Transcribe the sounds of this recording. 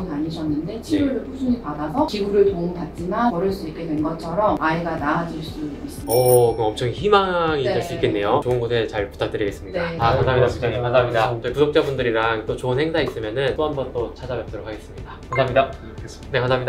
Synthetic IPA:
ɯnaɲiɕʰʌnːɯnde̞t͡ɕʰiuɾɯɸusʰuɲipadasʰʌt͡ɕiɡuɾɯɭtoŋpat̚t͡ɕ͈imanʌɾɯɭs͈uik͈e̞dwenɡʌt͡ɕʰʌɾʌmaiɡanaːd͡ʑiɭs͈udois͈ɯʌkɯʌmt͡ɕʰʌŋçimaŋiːeɭs͈uik͈e̞nːe̞jot͡ɕoɯnɡosʰet͡ɕaɭpu̥tʰak̚t͈ɯɾiɡe̞s͈ɯmɲidaansʰamɲidaaikʰaamɲidatɯpudok̚t͡ɕ͈abundɯɾiɾaŋt͈ot͡ɕoɯnheŋsʰais͈ɯmjʌnɯnt͈oɦambʌnt͈ot͡ɕʰad͡ʑabap̚t͈ʌɾokʰaɡes͈ɯmɲidakʰanʰamɲida | ne̞kʰanʰamɲida

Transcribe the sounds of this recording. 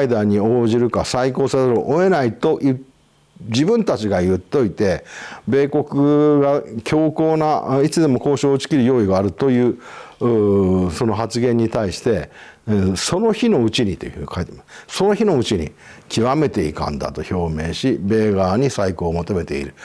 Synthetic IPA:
aid̪aɲ̟ioːʑiɾɯ̟kasaiko̞ːsezoɾoʔoe̞nait̪o̞ʔi | d͡ʑibɯ̟̃nt̪at͡ɕiɡajɯ̟t̪ːo̞it̪e̞be̞ːko̞kɯ̟ɡakʲo̞ːko̞ːnait͡sɨd̪e̞mo̞ko̞ːɕo̞ːt͡ɕi̥kʲiɾɯjo̞ːiɡaːɾɯ̟t̪o̞jɯ̟ː | so̞no̞ɦat͡sɨɡẽ̞ɲ̟ːit̪aiɕi̥t̪ẽ̞ | so̞no̞çino̞ɯ̟t͡ɕiɲ̟it̪ːojkʰait̪e̥masso̞no̞çino̞ɯ̟t͡ɕiɲ̟ḭ | kʲʰiβame̞t̪e̞ḭkã̰nd̪a̰t̪o̞ço̞ːmẽ̞̰ːɕibe̞ːɡaːɲ̟isaiko̞ːmo̞t̪o̞me̞t̪e̞ḭɾɯ̟

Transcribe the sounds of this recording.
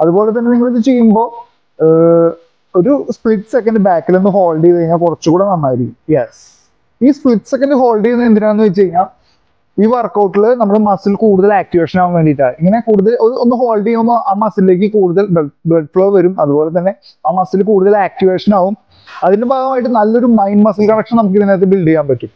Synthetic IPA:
ɐðubo̞ːle̞t̪̬ɐnːeniŋːɐɭːɨt͡ɕe̞jːumbo̞ː | o̞ɾuspɭiʈːsekːɐnɖɨbaːkːilenːɨɦo̞ːlɖiʋɐjiɲːaːlkurɐt͡ɕːukuːɽenɐmːaːjiɾikːumjes | iːspɭiʈːsekːɐndɨɦo̞ːlɖienːɨend̪iɾaːenːɨʋɐt͡ɕːt͡ɕejːiɲŋaːl | iːʋɐrkːɐwʈːuɭɨnɐmːɐɽemɐsːilkuːɽuðɐlaːk̚ʈiʋe̞ːʂɐnaːʋumʋe̞ːɳɖiʈ̬ːaːiŋːɐne̞kuːɽuðɐlo̞ɾuʔonːɨɦo̞ːlɖiaːumːoʔaːmɐsːile̞ːk̬ːɨkuːɽuðɐlbebelɖfɭoːʋɐɾumɐðubo̞ːle̞t̪̬ɐnːe̞ | aːmɐsːilkuːɽuðɐlaːk̚ʈiʋe̞ːʂɐnaːʋum | ɐðindebaːɣɐmaːjiʈ̬ːɨnɐlːo̞ɾumɐjnmɐsilkɐɳɐkʂɐmnɐmuk̬ːɨt̪ɐnːet̪̬ːebiɭɖijaːmpɐʈːum

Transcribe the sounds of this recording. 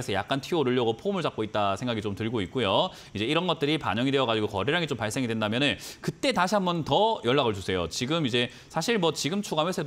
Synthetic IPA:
esʰʌja̰k̚k͈antʰioɾɯʎːʌɡopʰomɯɭt͡ɕak̚k͈oit̚t͈asʰeŋɡaɡit͡ɕomtɯɭɡoit̚k͈ujo | id͡ʑe̞iɾʌnɡʌt̚t͈ɯɾipa̰ɲʌŋidweʌɡad͡ʑiɡokʌɾeɾaɡit͡ɕompaɭs͈eŋidwendamjʌnɯnkɯt͈e̞taɕʰiɦambʌntʌjʌɭːaɣɯɭd͡ʑusʰe̞jo̰t͡ɕiɡɯmid͡ʑe̞ | sʰaɕʰiɭmwʌt͡ɕiɡɯmt͡ɕʰuɡamwesʰed

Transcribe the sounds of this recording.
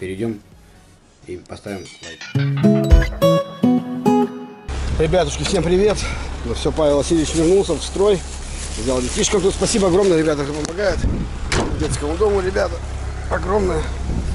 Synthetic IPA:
pʲɪɾʲɪdʲom | ipɐst̪avʲɪma̰ | ɾʲɪbʲat̪ʊʂkʲɪfsʲe̞mpɾʲɪvʲe̞t̪nofsʲopavʲɪlˠɐsʲilʲɪvɪt͡ɕvʲɪrnulˠsʲəfst̪ɾo̞j | vzʲalˠdʲɪtʲiʂkəmt̪ut̪spɐsʲibəɐɡɾo̞mnəjəɾɪbʲat̪əʂopəmɐɡajɪt̪ | dʲet̪skəmʊd̪o̞mʊɾʲɪbʲat̪ə | ɐɡɾo̞mnəjə

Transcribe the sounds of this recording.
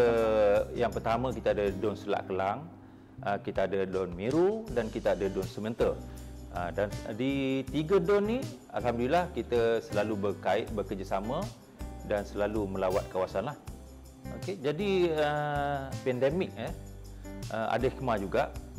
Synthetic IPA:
əjaŋpərt̪amə̃kit̪aadədɔnsəla̰ʔkəlaŋ | əkit̪əadədɔnmiɾudankit̪əadədɔnsəmənt̪ərədandit̪iɡədɔnːi | a̰lɦamdulilahkit̪əsəlalubərkaɪʔ̪̚bəkərd͡ʒasamə̃ | dansəlalumə̃lawat̪̚kawasanlah | oked͡ʒadiə | pɛndemɪk̚ə | ʔəa̰dəikəmad͡ʒuɡaʔ

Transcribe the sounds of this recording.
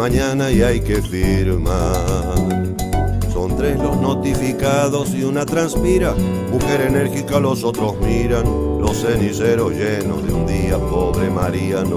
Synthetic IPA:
aɲanaiajkefiɾma | ɾ | so̞nt̪ɾe̞slo̞sno̞t̪ifikaðo̞siunat̪ɾanspiɾa | muxeɾene̞ɾxikalo̞sot̪ɾo̞smiɾanlo̞se̞niseɾozʝeno̞̰zðeund̪iapoβɾemaɾian

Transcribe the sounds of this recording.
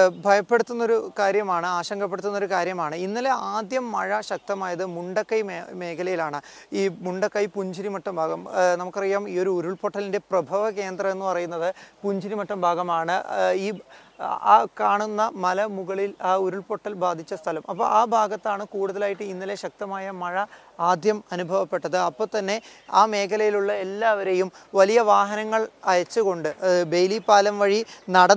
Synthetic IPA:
bʱɐjɐpːe̞ɽut̪ːunːo̞ɾukaːɾjɐmaːɳɨaːɕɐŋɡʱɐp̬ːeɽut̪ːunːɐo̞ɾukaːɾjɐmaːɳɨinːɐle̞aːd̪jɐmːɐɻɐɕɐk̚t̪ɐmaːjɐðɨmuɳɖɐkːɐjmme̞ːkʰɐlɐjilaːɳɨ | iːmuɳɖɐkːɐjpuɲd͡ʑʱiɾimɐʈːɐmbʱaːɡɐmnɐmukːɨɐrijːaːmiːo̞ɾuuɾuɭpoʈːɐlinde̞prɐbʱɐʋɐke̞ːnd̪rɐe̞nːɨpɐrɐjunːɐðɨpuɲd͡ʑiɾimɐʈːɐmbʱaːɡɐmaːɳɨiː | kaːɳunːɐmɐlɐmuɣɐɭilaːuɾuɭpo̞ʈːɐlbaːd̪ʱit͡ɕːɐst̪ʰɐlɐmʔɐpːo̰ːɭaːbʱaːɡɐt̪ːaːɳɨkuːɽuðɐlaːjiʈːɨinːile̞ɕɐk̚t̪ɐmaːjɐmɐɻɐ | aːd̪ʱjɐmɐnubʱɐʋɐpːe̞ʈːɐðɨɐpːo̞ːt̪ɐnːe̞aːme̞ːkʰɐlɐjiluɭːɐelːaːʋɐɾe̞jumʋɐlijɐʋaːɦɐnɐŋːɐɭɐjɐt͡ɕːɨɣo̞ɳɖɨbe̞jlipːaːlɐmʋɐɻinɐɽɐ

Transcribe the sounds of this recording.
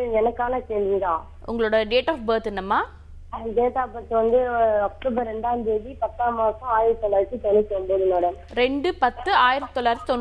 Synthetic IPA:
ɛnɐkːaːnɐkeːlʋiðãː | ʊŋɡɐɭoːɽɐɖeːʈaːfbɐːɾt̪ɛnːɐmːaː | ɖeːt̪aːpɐɾt̪ːɯʋɐnd̪ɯɔk̚ʈoːbɐɾɛɳɖaːnd̪eːðipɐt̪ːaːmaːsɐmaːjɪɾɐt̪ɯt̪ːɔlːaːɾɐt̪ːɯt̪ɔnːɪkːomboːðɯnoːɽɐn | ɾɛɳɖɯpɐt̪ːɯaːjɪɾɐt̪ːɯ̥t̪ːɔlːaːɾɐt̪ːɯt̪ɔnː

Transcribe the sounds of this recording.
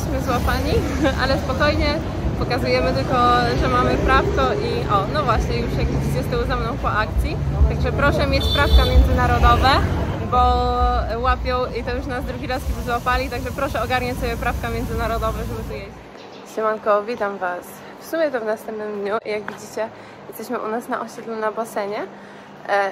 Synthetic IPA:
sɕmɘzwapaɲi | a̰lɛspɔkɔjɲɛ | pɔkazujɛmɘt̪ɘlkɔʐɛmamɘpɾaft̪ɔʔiʔɔnɔvwaɕɲɛjuʂjaɡid͡ʑit͡ɕɛst̪ɔwzamnɔ̃w̃pɔʔak̚t̪sʲjit̪aɡʐɛpɾɔʂɛmʲjet͡ɕpɾafkamʲjɛnd̪zɘnaɾɔd̪ɔvɛbɔ | wapʲjɔ̃wit̪ɔjuʂnazd̪ɾuɡʲiɾasibɘzwapalʲit̪aɡʐɛpɾɔʂɛɔɡaɾɲat͡ɕsɔbʲjɛpɾafkamʲjɛnd̪zɘnaɾɔd̪ɔvɛʐɛbɘt̪ɔjɛd͡ʑi | sɘmɔnkɔvʲit̪amvas | fsumʲjɛt̪ɔvnast̪ɛmp̚nɘmd̪ɲuʔijaɡvʲid͡ʑit͡ɕɛ | jɛst̪ɛɕmɘʔṵnasna̰ʔɔɕɛd̪lɛmnabasɛɲɛ

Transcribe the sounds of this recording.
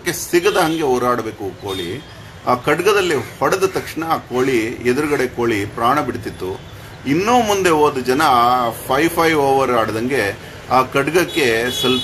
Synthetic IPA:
kːesiɡɐd̪ɐɦɐŋɡe̞oːɾaːɽɐbe̞ːkukoːɭḭ | kɐɖɡɐd̪ɐlːihɔɽɐd̪ɐt̪ɐkʂɳɐkoːɭied̪uɾuɡɐɽe̞koːɭipɾaːɳɐbiɽt̪it̪ːu | inːoːmund̪e̞oːd̪ud͡ʒɐnɐpʰɐjpʰɐjʋoːʋɐɾaːɽɐd̪ɐŋɡe | aːkɐɖɡɐkːe̞sɐl

